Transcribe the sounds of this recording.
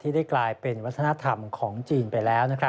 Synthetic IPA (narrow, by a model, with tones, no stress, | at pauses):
t̪ʰiː˥˩da˥˩jklaː˧jpe˧nwa˦˥t̪ʰːa˧na˦˥t̪ʰa˧mkʰɔː˩˦ŋt͡ɕiː˧npa˧jlɛː˦˥wna˦˥kʰɾa˦˥